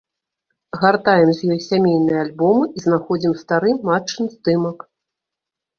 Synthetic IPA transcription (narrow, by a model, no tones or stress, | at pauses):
ɣart̪ajɛmzʲjɔjsʲamʲejnɨjɐalʲbɔmɨizn̪axɔd͡zʲimst̪aɾɨmat͡ʂːɨnzd̪ɨmɐk